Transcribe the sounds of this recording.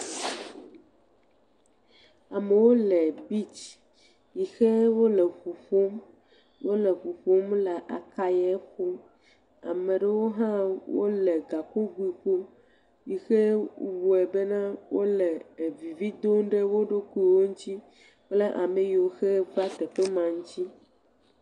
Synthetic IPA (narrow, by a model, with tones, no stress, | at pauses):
a˨me˨wo˦lɛ˨bi˦t͡ʃ | ji˨xe˦wo˦lɛ˨ɸu˨ɸo˦m | wo˦lɛ˨ɸu˨ɸo˦mlɛ˨ʔa̰˨ka˦je˦xo˦m | a̰˨mẽ˨ɖe˦wo˦ɦã˦wo̰˦le˨ɡa˨ko˦ɡu˦i˨ɸo˦m | ji˨xe˦wu˨ɛ˨be˦nã˦wo˦le˨vi˨vi˦d̪o˦ŋɖe˦wo˦ɖo˦ku˦i˨wo˦ŋũ˦t͡ɕ̪i˦ | k͡ple˦ʔa˨me˦ji˨o˨xe˦va˦t̪ɛ˨ɸe˦mã˨ŋũ˦t͡ɕi˦